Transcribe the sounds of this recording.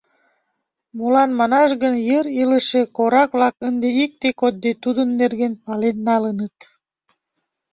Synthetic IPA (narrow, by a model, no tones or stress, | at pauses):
mulɑnmɑnɑʃɣənjəɾiləʃekoɾɑkβlɑkənd̪eik̚t̪ekot̪̚d̪et̪ud̪ənːerɣenpɑlenːɑlənət̪